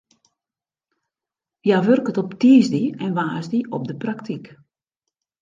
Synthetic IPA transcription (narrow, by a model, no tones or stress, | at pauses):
ʋjaʋørkətɔptiːzdiɛnʋaːzdiʔɔp̚dəpraktʰik